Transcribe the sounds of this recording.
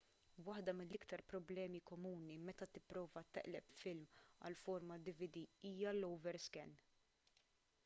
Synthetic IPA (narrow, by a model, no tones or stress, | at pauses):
wɐħd̪ɐmɪlːɪkt̪ɐɾpɾɔblɛːmikɔmuːnimɛt̪ɐt̪ɪpːɾɔːvɐt̪ɐ̰ʔlɛpfɪlmɐ̰lfɔɾmɐd̪ɪvɪd̪iiːjɐlɔwvɛɾskɛnː